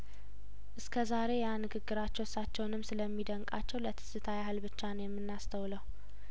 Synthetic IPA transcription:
ʔɨskʰəzaɾe̞janɨɡɨɡːɨɾat͡ʃːɛwsat͡ʃːɛwnɨmsɨləmːid̪əŋkʼa̰t͡ʃːɛwlət̪ʰɨ̥sɨt̪ʰajahɨlbɨt͡ʃːanəjɛmːɨnːast̪ʰəwləw

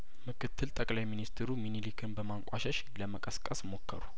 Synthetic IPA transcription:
mɨkʰɨt̪ʰːɨlt̪ʼəkʼlajminist̪ʰɾuminilikʰɨnbəmaŋkʷʼaʃəʃ | ləməkʼəskʼəsmo̞kʰːə̰ɾu

